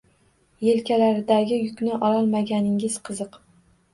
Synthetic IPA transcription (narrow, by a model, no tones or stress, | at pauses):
jelkʲalaɾɪd̪aɡʲɪjʊkʲnɪʔɒlɒlˠmaɡʲanɪŋʲɪz̥qʰɨzɨq